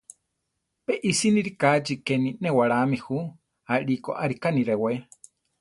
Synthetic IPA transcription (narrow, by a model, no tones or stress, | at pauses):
peʔisiniɾikat͡ʃikeninewaɾamihu | aɺiko̰ʔaɾikaniɾewe